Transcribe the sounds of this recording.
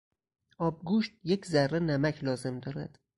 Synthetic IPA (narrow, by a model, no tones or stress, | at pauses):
ʔɒːb̚ɡuʃt̪̚jecʰzærːenæmæcʰlɒːze̞md̪ɒːɾæ̰d̪̥